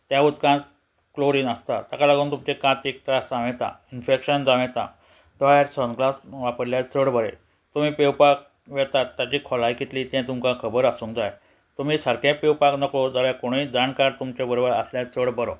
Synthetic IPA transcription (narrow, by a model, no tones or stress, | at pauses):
t̪jãud̪kã | kloɾiːnəst̪at̪akalaɡuːnt̪umt͡ɕekãt̪ik̚t̪ɾad͡zãʋẽt̪ã̰infekɕənd͡zaʋẽt̪ã̰ | t̪əɭjaɾsənklasʋapəɾljat͡səɽbəɾḛ | t̪um̤iːpewpak̚ | ʋɛt̪at̪ːjat͡ɕiːkʰɔlajkit̪liːt̪jɛ̃t̪umkãkʰəbəɾəsũŋkd͡zaj | t̪um̤iːsəɾkʰãpewpaknəkod͡zaɭjakoɽ̃iːd͡zankaɾt̪umt͡ɕebəɾobəɾəsljat͡səɽbəɾo̰